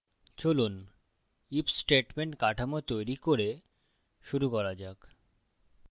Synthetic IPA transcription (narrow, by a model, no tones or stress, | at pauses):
t͡ɕolun | ipsʈeʈmeɳʈkaʈʰamot̪ojɾikoɾe | ʃuɾukɔɾad͡ʑak